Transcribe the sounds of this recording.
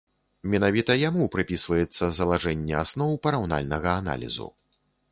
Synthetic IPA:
mʲɛnavʲit̪ɐjamupɾɨpʲisvɐjɛt̪sːɐzɐlˠaʐɛnʲːɛasnɔwpɐɾawna̰lʲnɐɣɐana̰lʲḭzṵ

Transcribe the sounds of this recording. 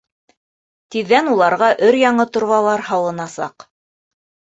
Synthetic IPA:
t̪iðːænulˠɑɾʁɑʔɵɾjɑɴɤt̪ŏɾβɑlˠɑɾhɑw̪ˠɤ̆nɑsɑ̰q

